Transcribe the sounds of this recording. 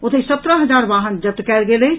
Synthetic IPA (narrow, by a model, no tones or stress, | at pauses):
ʊt̪ʰesət̪ɾəɦəd͡ʒaːɾbaɦənd͡ʒət̪ːkɛlɡele